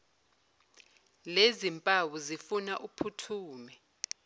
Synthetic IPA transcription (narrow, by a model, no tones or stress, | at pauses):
lezimpʼawuzifunaʔupʰutʰuːmɛ